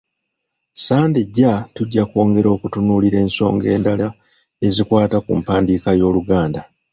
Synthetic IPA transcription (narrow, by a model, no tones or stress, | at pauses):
saːndeɟːatuɟːako̞ːŋɡe̞ɾo̞ːkutunuːliɾe̞ːnso̞̰ːŋɡe̞̰ːndala | e̞zikwaːtakṵmpaːndikajo̞ːluɡaːnda